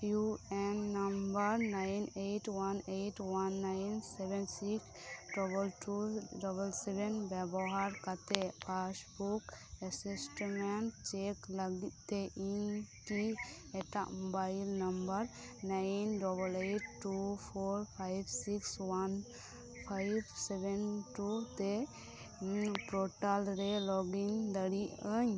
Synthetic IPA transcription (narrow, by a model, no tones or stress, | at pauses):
juenːɐmbəɾnajnejʈwanejʈwanːajnsɛbɛnsiksɖɔbəlʈuɖɔbəlsɛbɛnbɛbɔɦaɾkat̪epasbukəsisʈmɛɳʈt͡ʃekləɡit̪t̪eʔinki | ɛʈaʔmɔbajlnəmbəɾ | najnɖɔbəleʈːupʰoɾpʰajbsikswan | pʰajbsɛbɛnʈut̪ɛ | pɾɔʈalɾɛlɔɡind̪əɽiʔəɲ